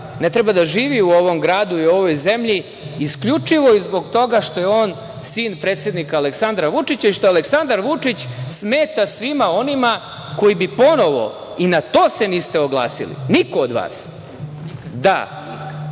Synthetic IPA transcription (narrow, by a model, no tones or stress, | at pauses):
net̪ɾebad̪aʒiːʋiuo̞ʋo̞mɡɾaːd̪uio̞ʋo̞jze̞mʎiː | skʎut͡ʂiʋo̞izbo̞ɡt̪o̞ɡaʂt̪o̞je̞oːn | siːnpɾe̞ːt̪sjed̪nikaːleksand̪ɾaʋut͡ʂit͡ɕaiʃt̪oaleksand̪aɾʋut͡ʂit͡ɕsme̞ːt̪asʋimao̞nima | ko̞ibipo̞no̞ʋo̞̰ | inat̪o̞ːse̞niːst̪eoɡlˠa̰ːsḭlḭniko̞ːd̪ʋa̰ːs | d̪a̰